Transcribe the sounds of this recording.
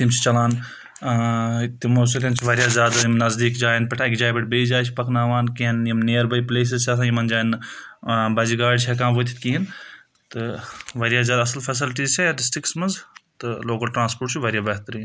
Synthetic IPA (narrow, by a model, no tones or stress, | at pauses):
t̪imt͡ʃʰi̥t͡ʃɐlaːn | t̪imoːsuɾɐnt͡ʃʰiʋɐɾjaːzjaːd̪ajimnɐzd̪iːkd͡ʒaːinpɐʈʰaːkʲd͡ʒaːjibɐʈbejd͡ʒaːjt͡ʃʰipɐknaːʋaːnkiɐnjimneːɐɾbɐjpleːs̬izt͡ʃʰaːs̬ajimɐnd͡ʒaːjin | bɐd͡ʒiɡaːɖt͡ʃʰɐk̬aːmʋoːt̪ʰi̥t̪kiɦin | t̪ɨʋɐɾjaːzʲjaːd̪ɐsɐlfʰɐs̬ɪlʈiːzt͡ʃʰajaɖɪsʈɾɪksmɐnzt̪ɨloːkɐlʈɾãːnspoːʈt͡ʃʰiʋɐɾjaːbɐɦt̪ɐɾin